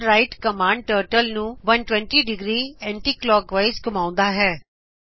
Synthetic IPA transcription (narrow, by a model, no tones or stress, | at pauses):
ɾaːɪʈkɐmãːɳɖ̚ʈəːɾʈəlnũʋɐnʈwɛ̃ɳʈiɖɪɡɾiːɛ̃ːɳʈiːklɔːkʋaːɪskʊmaːʊ̃nd̪aɦɛː